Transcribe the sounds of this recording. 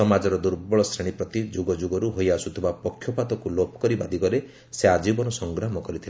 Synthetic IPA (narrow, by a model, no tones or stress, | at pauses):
sɔmad͡ʒɔɾɔd̪uɾbɔɭɔsɾeɽ̃ipɾɔt̪id͡ʒuɡɔd͡ʒuɡɔɾuɦojasut̪ʰibapɔkʰjɔpat̪ɔkulopʰɔ̥kɔɾibad̪ʱikɔɾe | sead͡ʒibɔnɔsɔŋɡɾamɔkɔɾit̪ʰila